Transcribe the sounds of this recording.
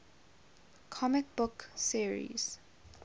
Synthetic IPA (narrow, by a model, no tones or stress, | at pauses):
kʰɔmɪk̚b̥ʊksiɹḭz̥